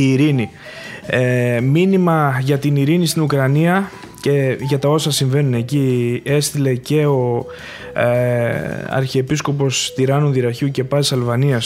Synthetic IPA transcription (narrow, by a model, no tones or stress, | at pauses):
iːɾini | minimɐʝɐt̪iniɾinist̪inukɾɐniɐ | ceʝɐt̪ɐo̞sɐsiɱve̞nune̞cie̞st̪ile̞ce̞o̞ | ɐ̰ɾçiepisko̞p̬o̞st̪iɾɐnuðiɾɐçuce̞pɐt̪isɐlvɐniɐs